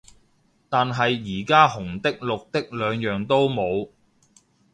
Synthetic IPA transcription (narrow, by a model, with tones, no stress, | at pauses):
t̪aː˨nɦɐ˨jːiː˨˩kaː˥hʊ˨˩ŋt̪ɪ˥k̚lʊ˨k̚t̪ɪ˥k̚lœː˨˧ŋjœː˨ŋt̪o˥wmo˨˧w